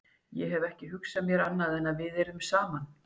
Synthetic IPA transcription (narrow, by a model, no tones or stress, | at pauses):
jɛɦɛvɛhcɪɦʏksamjɛɾanːaðɛnaðvɪðɛɾʏmsaːman